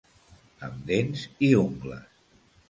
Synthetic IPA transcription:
əmd̪enziuŋɡlə̰s

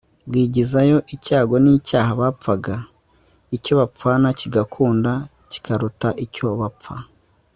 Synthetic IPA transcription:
bwiːɟizajo̞ʔicaːɡo̞nicaːhaβaːp͡faɡa | ico̞βap͡fanaciɡakʰuːnda | ci̥kʰaɾutaʔico̞βap͡fa

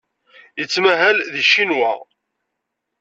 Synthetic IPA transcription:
jət͡sːmæɦælðiʃːinwæ̰

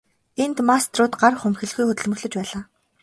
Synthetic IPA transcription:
ent̪mast̪rʊːt̪ɢarχɵmxɘ̆ɮɣujxɵt̪ɘ̆ɮmɵ̆xɮɵ̆t͡ɕpæːɮaː

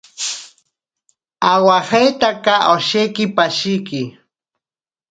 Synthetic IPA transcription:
awahajt̪akaʔoʃejkɪpaʃɪjkɪ

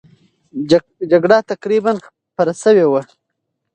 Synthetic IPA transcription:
d͡ʒaɡɽat̪aqɾibanx | paɾasəwewa

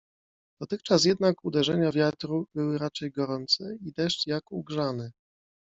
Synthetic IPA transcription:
d̪̥ɔt̪ɘxt͡ʂas̬jɛd̪nakud̪ɛʐɛɲavʲjat̪ɾubɘwɘɾat͡ʂɛjɡɔɾɔnt̪sɛid̪ɛʂtjakuɡʐanɛ

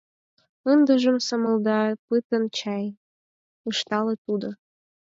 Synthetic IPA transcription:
ənd̪ə̆ʒə̆msəməld̪ɑpɨt̪ənt͡ɕɑj | əʃt̪ɑlet̪ud̪ŏ

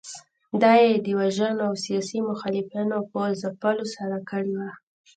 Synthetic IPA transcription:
d̪ɑjed̪əwaʒənoawsijɑsimʊxɑlɪfinopəzapəlosaɾakəɽewa

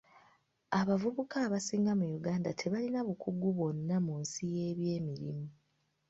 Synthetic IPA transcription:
aβavuβukaːβasiːŋɡamujuɡaːndatʰe̞βalinaβukʰuɡuβo̞nːamunsije̞ːβje̞ːmiɾḭmu

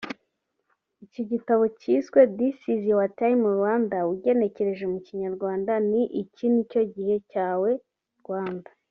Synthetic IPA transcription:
iciɟitaβo̞ciːswe̞disiziwatajimuɾwaːndawuɟe̞ne̞ce̞ɾe̞ʒeumuciɲaɾɡwaːndaniʔicinico̞ɟihe̞caːwe̞ | ɾɡwaːndḁ

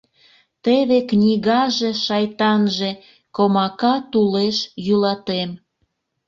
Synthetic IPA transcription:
t̪eβeknʲiɣɑʒeʃɑjt̪ɑnʒe̽ | komɑkɑt̪uleʃjylɑt̪em

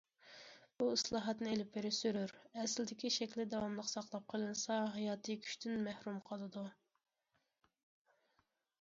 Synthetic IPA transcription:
b̥uislˠɑːɦɑt̪nɨelɪpbeɾɪsyɾyɾɛslɪd̪ɪkʲiʃɛkʲlɪd̪ɑwɑmlˠəqsɑqlˠɑp̚qʰəlˠɨnɨsɑɦɑjɑːt̪ʰɨkʲʰy̥ʃt̪ʰynmæhɾumqʰəlˠɨd̪u

